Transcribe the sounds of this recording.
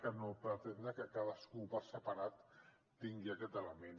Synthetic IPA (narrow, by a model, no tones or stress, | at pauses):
kənopɾət̪end̪ɾəkəkaðəskupəɾsəpaɾat̪ː | iŋɡiakɛt̪ələmen